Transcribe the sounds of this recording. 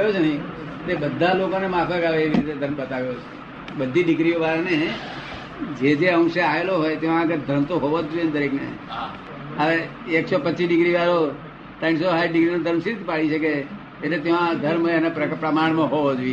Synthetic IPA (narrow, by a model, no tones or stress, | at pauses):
jot͡ʃʰenəĩ | t̪ebəd̪ʱːalokonemapʰəkaʋeeʋiɾit̪ed̪ʱəɾmbət̪aʋjot͡ʃʰe̥ | bəd̪ʱiɖɪɡɾioʋaɾne | d͡ʒed͡ʒeə̃ŋʃeaeloɦojt̪eʋãːɡəɾd̪ʱəɾmt̪oɦoʋod͡ʒoend̪əɾeknḛ | əʋeː | ksopət͡ʃːt͡ʃiɖɪɡɾiʋaɾo | t̪ãĩɳsoɦaiɖɪɡɾinod̪ʱəɾmʃiɾt̪ipaɭiʃʰəkeː | ʈlet̪eʋãd̪ʱəɾməenepɾəpɾəmaɳ̃mãɦoʋod͡ʒoje